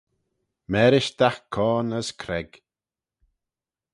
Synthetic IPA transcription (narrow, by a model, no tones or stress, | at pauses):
mɛːɾɪʃd̪̥axkʰːɔːnəskʰɾɛɡ̥